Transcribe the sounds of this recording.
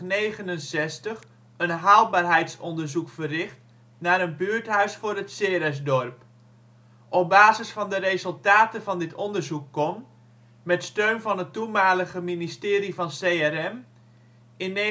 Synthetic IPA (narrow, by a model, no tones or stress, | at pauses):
neːɣənənsɛstəx | ənɦaːl̚ˠbaːrɦɛjtsɔndərzukfərɪxt | naːɾənbyːəɹtɦœɥsfʊːɾətseɾɛs̬dɔrp | ʔɔp̚baːzəsfɑndərezɵlˠtaːtəvɑndɪtʰɔndərzukːɔm | mɛtstøːnvɑnɦətːumaːləɣəministɪːɾivɑnseɛrɛm | ɪnːe